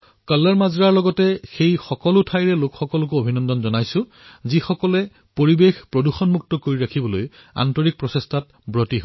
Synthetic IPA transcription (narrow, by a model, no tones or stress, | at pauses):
kalːaɹmazɹaɹlɔɡɔtɛxejxɔkɔlʊtʰajɹɛlokxɔkɔlʊk̬ʊobʱinɔndɔnzɔnajsʊ̃ | zixɔkɔlɛ | poɹibexpɹoduxɔnmuk̚tɔkoɹiɹakʰibɔloja̰ntɔɹik̚pɹɔsestʰat̚ | bɹɔtiɦo